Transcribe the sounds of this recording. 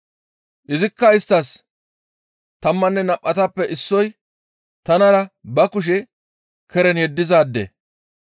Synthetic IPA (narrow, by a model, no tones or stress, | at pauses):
ʔɪzɪkːɐɪst̪ːɐs | t̪ɐmːɐnːɛnɐpʼːɐt̪ɐpːɛʔɪsːɔj | t̪ɐnɐɾɐbɐkʊʃ̬ɛ | kʰɛɾɛnjɛd̪ːɪzaːd̪ːɛ̰